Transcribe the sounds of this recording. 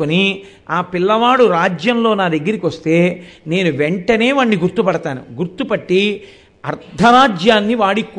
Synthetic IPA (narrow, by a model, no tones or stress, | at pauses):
oni | aːpilːɐʋaːɽuɾaːd͡ʒjɐmlo̞ːnaːd̪ɐɡːɐɾikʋɐst̪e̞ːne̞ːnuʋeɳʈɐne̞ːʋɐɳːiɡuɾt̪upɐɽɐt̪aːnṵɡuɾt̪upɐʈːi | ɐɾd̪ʱɐɾaːd͡ʒjaːnːiʋaːɽikː